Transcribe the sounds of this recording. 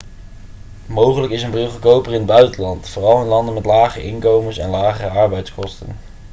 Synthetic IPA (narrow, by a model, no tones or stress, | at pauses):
mowχələkɪsəmbrɪlˠvəɹkowpərɪnəbœɥtəlɑntfoːrɑlˠɪnlɑndənmɛtlaːχəʔɪnkowməsɛ̰nlaːχərəɑɹbɛjtskɔstə̰n